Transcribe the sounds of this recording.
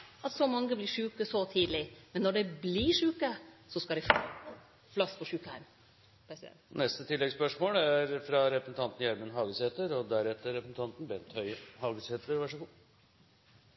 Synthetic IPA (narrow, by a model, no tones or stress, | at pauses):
ʔɑt̪sɔmɑŋːəblɪːʂʉːkəsɔt̪ʰiːd̪lɪmɛnːɔɖɛbliːʂʉːkəsɔskɑd̪ɛɪf | flɑspʰɔʂʉːkəhæ̰ɾm | pʰɾɛsɪɛ̰nnɛst̪ət̪ʰɪlːɛɡspœʂmoːlæɾfɾɑɾɛpɾəsn̩t̪ɑnt̪n̩jæɾmənɦɑːɡəsheːt̪əɾɔd̪æɾɛt̪ːəɾːɛpɾəsn̩t̪ɑnt̪n̩bɛnt̪hœʏhɑːɡəsheːt̪ʰəɾʋæʂəɡu